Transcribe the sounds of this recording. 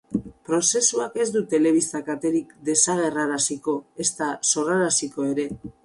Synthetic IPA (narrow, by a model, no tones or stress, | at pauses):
pɾo̞se̞suake̞zd̪ut̪e̞le̞β̞ist̪akat̪e̞ɾikd̪e̞saɣ̞e̞raɾasiko̞e̞st̪aso̞raɾasiko̞e̞ɾe̞